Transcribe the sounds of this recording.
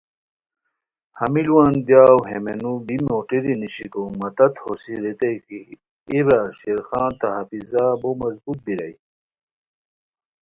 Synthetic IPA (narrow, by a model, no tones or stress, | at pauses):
hɐmilwaːnd̪jaːwɦemenubimoːʈiɾiniɕikomɐt̪ɐt̪hosiɾet̪ɐjki | eβaɕiɾxãːnt̪ɐɦɐfizabomɐzbut̪̚biɾɐ̰j